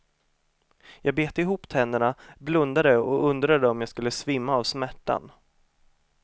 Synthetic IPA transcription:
jɑːɡ̚beːt̪ɪɦuːpt̪ʰɛnd̪əɳablɵnd̪ad̪əɔɵnd̪ɾad̪əɔmjaːskɵlːəsvɪmːaːvsmæʈːa̰n

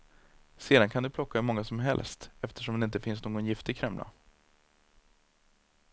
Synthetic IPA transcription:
seːd̪ankʰand̪ɵpʰlɔkːamɔŋːasɔmɦɛ̰lst̪ɛft̪ʰə̥ʂɔmd̪ɛɪnt̪əfɪnsnoːɡɔnjɪft̪ɪkʰɾɛmla̰

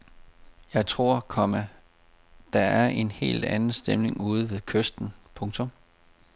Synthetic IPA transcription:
jɑ̈ɪt͡sʰʁo̝̰ɐ̰kʰɒ̽mæ | d̥ɑ̈æɐʔe̝nhe̝̰ːld̥ænn̩sd̥emne̝ŋuːð̞̩ˠʋe̝ðˠkʰøsd̥n̩pʰɔ̽ŋt͡sʰɔ̽m

